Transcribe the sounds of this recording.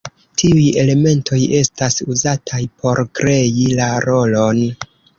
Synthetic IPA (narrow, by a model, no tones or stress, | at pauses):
tʰiuje̞le̞me̞ntʰo̞je̞stasuzatʰajpʰo̞ɾkɾe̞ilaɾo̞lo̞n